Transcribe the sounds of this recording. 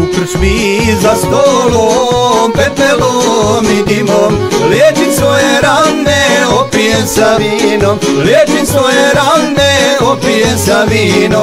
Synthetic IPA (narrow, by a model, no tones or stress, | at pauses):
t̪r̩spi | zast̪olopɛt̪mɛlomid̪imom | ljet͡ʃinsʋojeɾanːeopijesaʋinom | ljet͡ʃimsʋojeɾanːeopijesaʋino